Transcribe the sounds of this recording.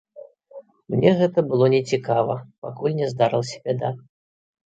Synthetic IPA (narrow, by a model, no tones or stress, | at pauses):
mnʲɛɣɛt̪ɐbɨlˠɔnʲɛt͡sʲikavɐpakulʲnʲɛzd̪aɾɨlˠsʲɛ̥bʲɛd̪a